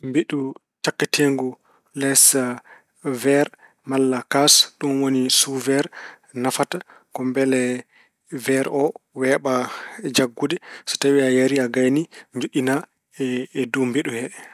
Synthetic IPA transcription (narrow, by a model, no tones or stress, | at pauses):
mbiɗu | takːitʰeŋɡu | lɛsa | vɛɾ | malːakasɗunwonisuvɛɾ | nafata | kɔmbɛlɛ | vɛɾʔɔwɛːɓad͡ʒaɡːudɛsɔ̥tabɛajaɾiaɡajniɲd͡ʒuɗina | ɛːdumbiɗuhɛɗɛ